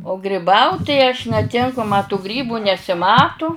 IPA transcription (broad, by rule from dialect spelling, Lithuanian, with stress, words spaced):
oː ɡrʲɪˈbɐʊt tɐɪ ɐʃ nʲɛˈtʲɪŋkʊ mɐ tʊ ˈɡrʲiːbʊ nʲɛsʲɪˈmɑːtʊ